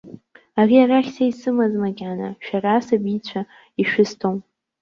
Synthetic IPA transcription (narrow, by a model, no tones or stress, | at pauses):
ariaɾaχʲsaisɨmazmaɡʲʕana̰ʃᶣarasabit͡ɕʷʰa | iʃᶣɪstʰom